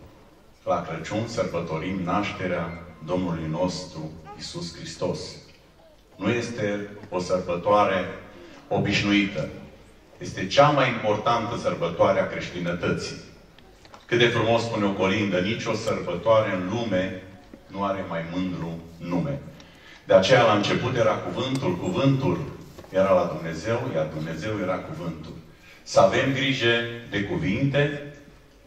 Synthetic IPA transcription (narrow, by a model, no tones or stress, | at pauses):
lakɾət͡ʃunsərbət̪o̞ɾimnaʃt̪e̞ɾead̪o̞mnulujno̞st̪ɾuisuskɾist̪o̞s | nuje̞st̪e̞o̞sərbət̪oaɾe̞o̞biʃnuit̪ə | je̞st̪e̞t͡ʃamajimpo̞rt̪ant̪əsərbət̪oaɾeakɾe̞ʃt̪inət̪ət̪si | kɨt̪̚d̪e̞fɾumo̞spune̞o̞ko̞lind̪ənit͡ʃʲo̞sərbət̪oaɾe̞ɨnlume̞nuaɾe̞majmɨnd̪ɾunːume̞̰ | d̪̥e̞at͡ʃe̞jalaɨnt͡ʃe̞put̪je̞ɾakuvɨnt̪ulkuvɨnt̪ulje̞ɾalad̪umne̞ze̞wjard̪umne̞ze̞wje̞ɾakuvɨnt̪ul | səave̞mɡɾiʒe̞d̪e̞kuvint̪e̞